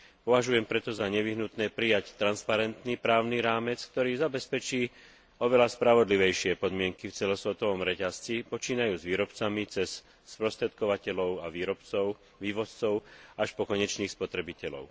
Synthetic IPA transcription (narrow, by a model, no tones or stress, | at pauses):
pɔʋaʒujɛmpɾɛt̪ɔzaɲɛʋiɦnut̪nɛːpɾijact̪ɾanspaɾɛnt̪nipɾaːʊniɾaːmɛt͡sk̚t̪ɔɾiːzabɛspɛt͡ʃiː | ɔʋɛlaspɾaʋɔd̪liʋɛjʃɪɛpɔd̪mɪɛŋkift͡sɛlɔsʋɛt̪ɔʋɔmɾɛcast͡sipɔt͡ʃiːnajuːzʋiːɾɔpt͡samit͡sɛs | sːpɾɔst̪ɾɛt̪̚kɔʋacɛlɔʊaɾɔpt͡sɔʊ | ʋiːʋɔst͡sɔʊaʃpɔkɔɲɛt͡ʃniːxspɔt̪ɾɛbicɛlɔ̰ʊ